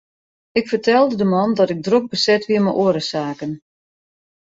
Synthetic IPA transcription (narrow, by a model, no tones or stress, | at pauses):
ɪkfərtɛlˠdədəmɔndɔtɪk̚drok̚bəsɛtʋiəməʔoəɾəsaːkən